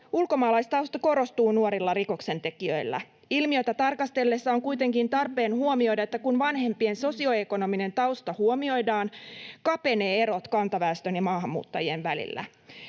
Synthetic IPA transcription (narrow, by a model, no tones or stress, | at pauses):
ulko̞mɑːlɑjst̪ɑwst̪ɑko̞ɾo̞st̪uːnuoɾilːɑriko̞kse̞nt̪e̞kiø̞̰jlːæ̰ | ilmiø̞jt̪æt̪ɑrkɑst̪e̞lːesːɑoŋkujt̪e̞ŋkint̪ɑrpˑe̞ːnhuomio̞jdɑet̪ːækunʋɑnhe̞mpie̞nso̞sio̞e̞ko̞no̞mine̞nt̪ɑwst̪ɑhuomio̞jdɑːnkɑpe̞ne̞ːe̞ɾo̞t̪kɑnt̪ɑʋæːst̪ø̞njɑmɑːɦɑmːṵːt̪ːɑjie̞nʋælḭlːæ̰